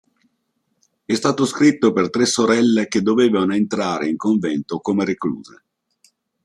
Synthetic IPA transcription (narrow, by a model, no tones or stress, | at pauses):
ɛst̪aːt̪oskɾit̪ːopert̪ɾesːoɾɛlːeked̪ːoveːvanoent̪ɾaːɾeiŋkoɱvɛnt̪okomeɾeklṵːze